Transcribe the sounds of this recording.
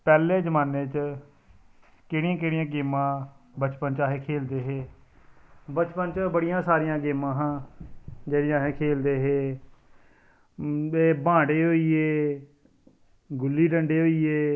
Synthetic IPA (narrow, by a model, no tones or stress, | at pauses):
pɛːleːd͡ʒəmaːneːt͡ʃ | keːɽɪjãːkeːɽɪjãːɡeːmãːbət͡ʃpənt͡ʃaːɦeːkʰeːld̪eːɦeː | bət͡ʃpənt͡ʃbəɽɪjãːsaːɾɪjãːɡeːmãːɦãː | d͡ʒeːɽɪjãːɦeːkʰeːld̪eːɦeː | eːbãːɽeːɦoːiːeː | ɡʊlːiːɖəɳɖeːɦoːiːeː